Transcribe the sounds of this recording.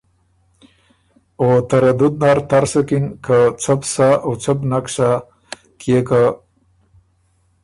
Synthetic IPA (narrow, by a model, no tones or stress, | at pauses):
ot̪aɾad̪ʊd̪̚naɾt̪aɾsəkinkat͡sʰapsaawt͡səpnakʂa | kʰjeka